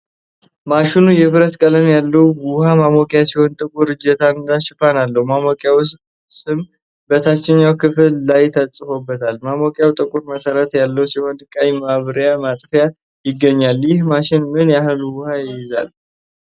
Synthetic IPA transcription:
maʃɪnujɛbɨɾət̪kʼələmjalːəwwʊhamamokʼɪjat͡ʃɛwnt̪ʼɨkʼuɾɨd͡ʒɛt̪ʰand̪aʃɪfanalːəhmamokʼjaws | sɨm | bət̪ʰat͡ʃːɪɲːawkʰɨflːajt̪ʰəst͡sʼːɨfo̞bːət̪ʰalmamokʼjawt̪ʼɨkʼuɾməsəɾət̪jalːəwsihɔnd̪ɨkʼajmaβɾjamat̪ʼfja | jɪɡːəɲːaljɪhmaʃɪnmɨnjaɦɨlwʊhajɪjɪza̰l

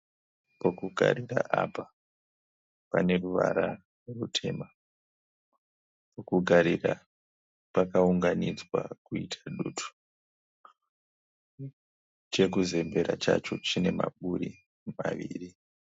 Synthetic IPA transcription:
pokuɡʱa̰ɾiraʔapa | pane̞ruʋa̰ɾa | rutʰe̞ːma | pokuɡʱaɾira | pakauŋɡanid͡zwakuitʰaɗuːtʰu̥ | t͡ʃe̞kuze̞mbe̞ɾat͡ʃat͡ʃo̞t͡ʃine̞maɓuɾi | maʋiːri

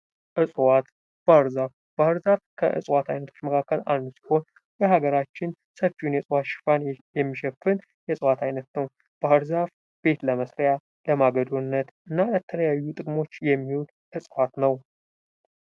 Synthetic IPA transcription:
ʔɨsʼwat̪ | b̥ahɨɾzaf | b̥ahɨɾzafkʰəʔɨ̰sʼwat̪ʰajnət̪ʰo̞̥t͡ʃːməkʰakːəla̰lnusi̥ho̞n | jəhaɡəɾat͡ʃːɪn | səfiunjɛsʼwat̪ʃɪ̥fanjɛmːiʃɛfɨn | jɛsʼwat̪ʰajnət̪nəw | b̥ahɨɾzaf | b̥e̞t̪ləməsɾja | ləmaɡəd̪onːət̪ʔɨnːalət̪ʰələjajːut̪ʼɨkʼmo̞t͡ʃːjɛmːiwul | ʔɨsʼwat̪nəw

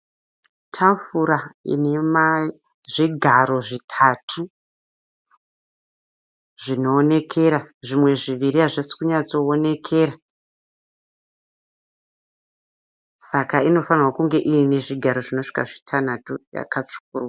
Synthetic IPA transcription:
tʰaɱfuɾaḭne̞ma | ʐiɡʱaɾo̞ʐitʰatʰu | ʐino̞ːne̞kʰe̞ɾaʐimwe̞ʐiʋiɾiaʐesi̥kuɲat͡so̞ːne̞kʰe̞ra | sakaino̞fanirwakuŋɡe̞ʔiineʐiɡʱaɾo̞ʐino̞ʂi̥ka̰ʐitʰanatuja̰kat͡ʂu̥kurua

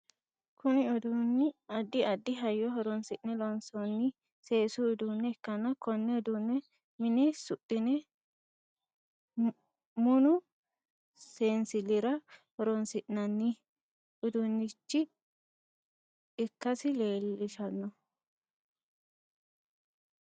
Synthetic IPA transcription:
kʰʊnɪɔd̪unːɪɐd̪ːɪɐd̪ːɪɦɐjːɔɦɔɾɔnsɪʔnɛlɔnsɔnːɪ | se̞ːsʊɔd̪uːnːɛɛkːɐnɐkɔnːɛɔd̪uːnːɛ | mɪnɛsʊtʼːɪnɛ | mʊnʊ | seːnsɪlɪɾɐhɔɾɔnsɪʔnɐnːɪ | ɔd̪unːɪt͡ʃːɪ | ɪkːɐsɪle̞ːlːɪʃɐnːɔ

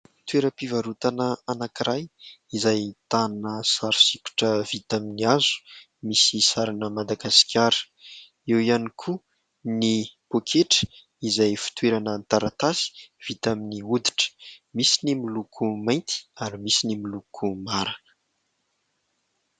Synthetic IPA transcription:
fi̥t̪weɾəpivaɾut̪anəanakiɾajizajt̪annəsaɾu̥sikʲu̥ʈ͡ʂəv̥it̪aminiazu̥ | misisaɾanəmad̪aɡaskʰʲaɾə̥ | ewianikʰu | nipokʰeʈ͡ʂə̥ | izajfi̥t̪weɾanənt̪aɾat̪asi̥v̥it̪aminiud̪i̥ʈ͡ʂə̥misinimilukʰumajnt̪ʰi̥aɾimisinimilukʰumaɾaə̥

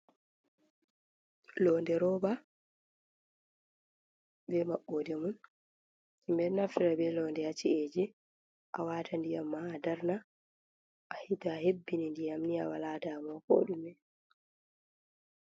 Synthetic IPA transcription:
lɔndɛɾɔba | bɛmaɓːɔdɛmun | mbɛnafɾabɛlɔndɛhat͡ʃieːd͡ʒi | ʔawaːtandijamːaːdaɾna | ʔahitahebːinindijamniawalaːdamɔko̰ɗumɛ

